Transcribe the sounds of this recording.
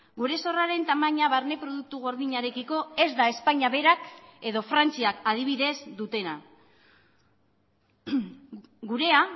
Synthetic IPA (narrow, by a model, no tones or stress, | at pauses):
ɡuɾe̞so̞raɾe̞nt̪amaɲaβaɾne̞pɾo̞ðuk̚t̪uɣ̞o̞ɾðiɲaɾe̞kiko̞e̞zd̪ae̞spaɲaβe̞ɾake̞ðo̞fɾant͡siakað̞iβ̞iðe̞zd̪ut̪e̞na | ɡuɾe̞a